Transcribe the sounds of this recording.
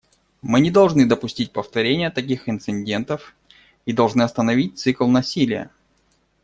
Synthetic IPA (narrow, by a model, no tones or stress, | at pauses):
mɨnʲɪd̪ɐlˠʐnɨd̪əpʊsʲtʲit̚ʲpəft̪ɐɾʲenʲɪjət̪ɐk̬ʲixɪnt̪sɨnʲdʲe̞nt̪əf | id̪ɐlˠʐnɨɐst̪ənɐvʲit̚ʲt̪sɨklˠnɐsʲilʲɪjə̰